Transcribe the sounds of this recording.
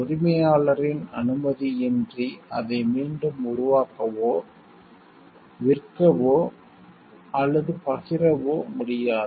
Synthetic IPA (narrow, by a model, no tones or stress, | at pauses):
ʊɾɪmɐjaːɭɐɾɪnɐnɯmɐðiɛndriɐðɐɪmiːɳɖɯmʊɾʊʋaːkɐʋoː | ʋɪrkɐʋoː | ɐlːɐðɯpɐɣɪrɐʋoːmʊɽɪjaːðɯ